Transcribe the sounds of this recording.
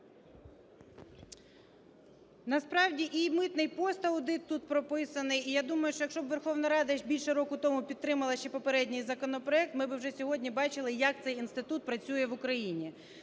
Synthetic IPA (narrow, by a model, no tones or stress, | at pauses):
nɐspɾɑwdʲiʔimɪt̪nɪjpɔst̪ɐwd̪ɪt̪ːut̪pɾɔpɪsɐnɪjijad̪umɐjʊʃt͡ʃɔjɐkʃt͡ʃɔbʋerxɔwnɐɾɑd̪ɐʒbʲilʲʃɛɾɔkʊt̪ɔmʊpʲid̪ɾɪmɐlˠɐʃt͡ʃɛpɔpeɾɛdʲnʲɪjzɐkɔnɔpɾɔɛk̚t̪mɪbɨwʒɛsʲɔɦɔdʲnʲibɑt͡ʃɪlˠɪjɐk̚t̪sɛjinst̪ɪt̪ut̪̚pɾɐt͡sʲujɛʋʊkɾɐjinʲi